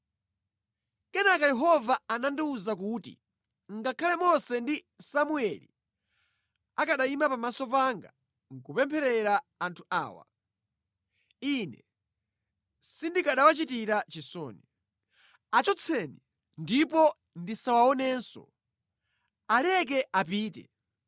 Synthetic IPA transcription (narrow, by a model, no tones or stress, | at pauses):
kɛnakajɛɦɔvaanandiuzak̬uːtḭ | ŋɡakʰalɛmɔsɛndi | samuɛlḭ | akaɗaimapamasɔpaŋɡa | ŋkupɛmpʰɛɾɛɾaːntʰua̰ːwa̰ | inɛ | sindikaɗawat͡ʃitiɾat͡ʃisɔ̰ːni | at͡ʃɔt͡sʰɛni | ndipɔ | ndisawaɔnɛːnsɔ̰ | alɛk̬ɛʔap̬iːtɛ̰